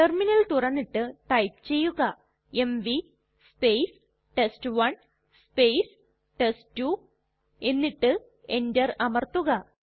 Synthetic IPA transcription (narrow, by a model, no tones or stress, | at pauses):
ʈerminɐlt̪urɐnːiʈːɨʈɐjp̚t͡ɕe̞jːuɣɐ | emʋi | spejs | ʈesʈɨʋɐn | spejs | ʈesʈu | e̞nːiʈːɨ | e̞ndɐrɐmɐrt̪uɣɐ